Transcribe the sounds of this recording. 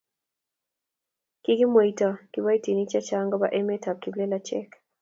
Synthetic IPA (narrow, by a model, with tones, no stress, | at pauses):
ki˦ki˦mo˨i˨tɔ˨ki˨ba˦i˦ti˨ni˦t͡ʃa˦t͡ʃa˦ŋɡɔ˦ba˦ʔe˦me˦ta˨p̚ki˨ble˦la˦t͡ʃɛ˦k